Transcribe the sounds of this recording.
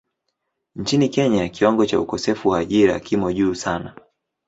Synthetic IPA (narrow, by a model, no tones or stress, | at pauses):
ɲ̩t͡ʃinikɛɲakiwaŋɡɔt͡ʃa̰ukɔsɛfuwaːʄiɾa̰kimɔʄuːsana